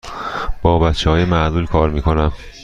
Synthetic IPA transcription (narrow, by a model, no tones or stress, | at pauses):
b̥ɒːbæt̪t͡ʃʰːeɦɒːjemæʔzuːlkʰɒːɾmiːkʰonæm